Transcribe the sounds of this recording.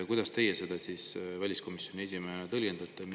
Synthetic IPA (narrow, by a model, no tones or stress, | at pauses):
kujd̪̥ɑst̪e̞jese̞d̪ɑsisvælʲisko̞misjonʲie̞s̬ʲimehenɑt̪ɤlɡend̪̥ɑt̪ːˑem